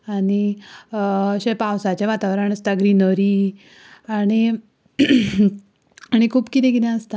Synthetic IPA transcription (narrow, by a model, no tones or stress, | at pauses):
aɽi | ɕepawsat͡ɕjaʋat̪aʋɾaɳəst̪aɡɾinəɾi | aɽ̃i | aɽ̃ikʰuːpkit̪ɛ̃kit̪ɛ̃əst̪a